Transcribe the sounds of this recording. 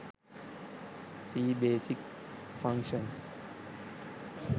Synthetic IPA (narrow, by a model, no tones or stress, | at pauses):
siːbeːsik | fʌ̃ŋkʃə̃ns